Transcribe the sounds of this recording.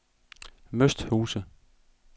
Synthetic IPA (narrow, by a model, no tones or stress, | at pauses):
møsd̥huːsə